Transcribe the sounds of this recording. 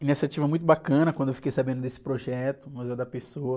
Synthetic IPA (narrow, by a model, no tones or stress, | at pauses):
inisiat͡ʃivɐmũj̃t̪̬ʊbakɐ̃nɐkwɐ̃d̪ʊewfikejsabẽnd̪ʊd̪esɪ̥pɾoʒɛt̪ʊmɐzɛd̪ɐpesoɐ